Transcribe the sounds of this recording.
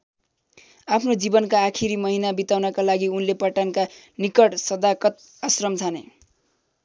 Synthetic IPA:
apʰnod͡zibʌnkaːkʰiɾimʌɦinabit̪awnʌkalaɡiunlepʌʈanka | nikʌʈsʌd̪akʌt̪ | ʌsrʌmt͡sʰanḛ

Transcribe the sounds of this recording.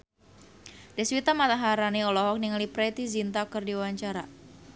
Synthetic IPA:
dɛswit̪amat̪aɦaɾaniɔlɔɦɔk̚niŋalipɾɛt̪izint̪akɨrdiwaɲt͡ʃaɾa

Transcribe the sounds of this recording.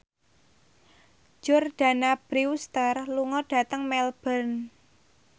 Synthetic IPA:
d͡ʒʊrɖ̥a̤nab̥ɾiust̪ərluŋɔɖ̥ä̤t̪əŋmɛlb̥ərn

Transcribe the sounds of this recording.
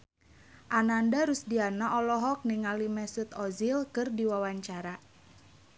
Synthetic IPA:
ʔanandaɾusdianaʔɔlɔɦɔk̚niŋalimɛsut̪ɔzilkɨrdiwawaɲt͡ʃaɾa

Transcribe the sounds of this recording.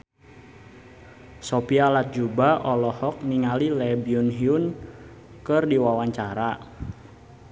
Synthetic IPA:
sɔpialat̪̚d͡ʒubaʔɔlɔhɔk̚niŋalilɛbiunɦiun | kɨrdiwawaɲt͡ʃaɾa

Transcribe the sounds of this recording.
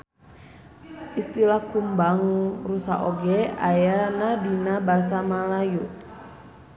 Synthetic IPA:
ist̪ilahkumbaŋurusa̰oɡɛajanadinabas̬amalaju

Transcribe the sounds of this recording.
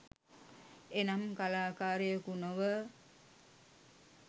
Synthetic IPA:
enamkalaːkaːɾəjəkunoʋə

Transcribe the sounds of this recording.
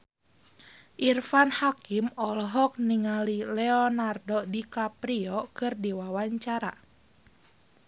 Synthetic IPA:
ʔirfanhakimɔlɔɦɔk̚niŋalilɛɔnardɔdikapɾiɔkɨrdiwawaɲt͡ʃaɾa

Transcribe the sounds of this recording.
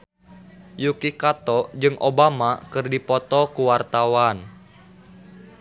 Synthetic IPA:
jukikat̪ɔd͡ʒɨŋʔobamakɨrdipɔt̪ɔkuwart̪awan

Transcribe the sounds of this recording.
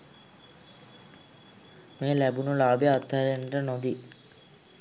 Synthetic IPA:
meːlæbunulaːbjaat̪ːaɾenʈənod̪i

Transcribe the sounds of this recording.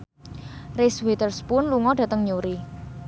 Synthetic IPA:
rɪswet̪ərspʊnluŋɔɖ̥ä̤t̪əŋɲuɾi

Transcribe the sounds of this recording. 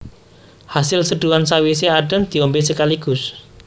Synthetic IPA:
hasɪlsəɖ̪̥uansawis̬eaɖ̥ə̤nd̪̥i̤ɔmbesəkaliɡ̥ʊ̤s

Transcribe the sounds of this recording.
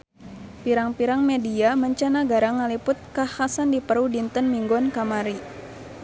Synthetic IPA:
piɾaŋpiɾaŋmediaməɲt͡ʃanaɡaɾaŋalipʊt̪̚kahasandipərudint̪ənmiŋɡɔnkamaɾi

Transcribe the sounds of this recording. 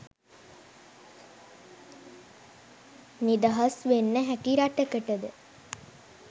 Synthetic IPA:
nid̪əɦɐsʋenːəɦækiɾaʈəkəʈəd̪ə

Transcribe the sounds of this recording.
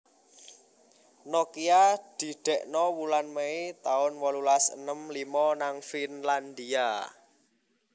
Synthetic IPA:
nɔkiad̪̥i̤ɖ̪̥ɛ̤ʔnɔwulanmeit̪aʊnwɔlulasə̰nəmlimɔnaŋfinland̪ia

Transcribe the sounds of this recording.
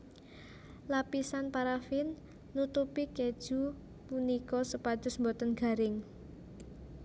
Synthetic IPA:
lapisanpaɾafinː | ut̪upiked̥ʒ̥ṳ | punikɔsəpad̥ʊ̤smbɔt̪ənɡ̥a̤ɾɪŋ

